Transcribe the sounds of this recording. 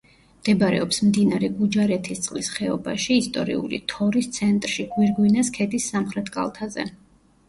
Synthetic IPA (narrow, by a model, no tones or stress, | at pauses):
md̪̥ɛbaɾɛ̰ɔpsmd̪inaɾɛɡud͡ʒaɾɛt̪ʰist̪sʼlisχɛɔbaʃiːst̪ʼɔɾḭṵlḭt̪ʰɔɾist̪sʰɛnt̪ʼɾʃiɡwiɾɡwinaskʰɛd̪isːamχɾɛt̪ʰkʼa̰lˠt̪ʰazɛ̰